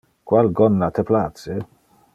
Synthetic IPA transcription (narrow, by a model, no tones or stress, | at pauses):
kwalɡɔnːat̪eplat͡se